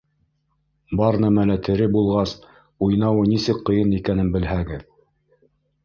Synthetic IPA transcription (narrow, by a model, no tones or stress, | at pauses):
bɑɾnæmælæt̪ʰɘ̆ɾɘbulˠʁɑs | ujnɑwɤnisɘkqːɤ̆jɤnikænɘnbɘ̆lɦæɡɘð